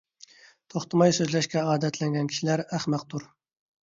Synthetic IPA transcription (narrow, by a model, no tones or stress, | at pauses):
t̪ʰoχt̪ʰɨmɑjsøzlɛʃkʲɛɑːd̪ɛt̪ʰlɛŋɡʲɛnkʲʰi̥ʃilæɾæχmæq̚t̪ʰuɾ